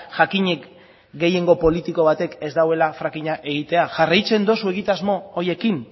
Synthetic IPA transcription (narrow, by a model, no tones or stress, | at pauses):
ʝakiɲe̞k | ɡe̞je̞ŋɡo̞po̞lit̪iko̞βat̪e̞ke̞zd̪awe̞lafɾakiɲaʔe̞ɣ̞it̪e̞aʝarajt͡se̞nd̪osue̞ɣit̪azmo̞ːje̞kin